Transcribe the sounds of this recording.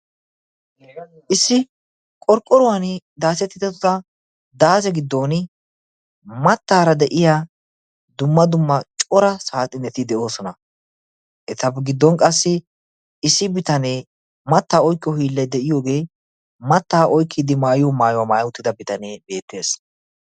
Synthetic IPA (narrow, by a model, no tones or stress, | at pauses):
ʔɪsːɪ | kʼɔɾkʼːɔɾɔwɐnd̪aːsɛt̪ːɪt̪ːɛt̪ːʊt̪ɐ | d̪aːsɛɡɪd̪ːo̞ːn | mɐt̪ːaːɾɐd̪ɛʔɪjaː | d̪ʊmːɐd̪ʊmːɐt͡ʃʼɔɾɐsaːt̪ʼːɪnɛt̪ɪd̪ɛʔo̞ːsɔnɐ | ʔɛt̪ɐbɡɪd̪ːɔnkʼɐsːɪ | ɪsːɪbɪt̪ɐneː | mɐt̪ːaːɔjkːɔhiːlːɛjd̪ɛʔɪjo̞ːɡe̞ː | mɐt̪ːaːʔɔjkːɪd̪ɪmaːjɔmaːjɔwamaːjwʊt̪ːɪd̪ɐbɪt̪ɐneːbe̞ːt̪ːe̞ːs